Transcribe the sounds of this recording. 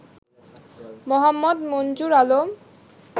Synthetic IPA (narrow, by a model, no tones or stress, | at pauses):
mɔɦamːɔd̪mond͡ʑuɾalom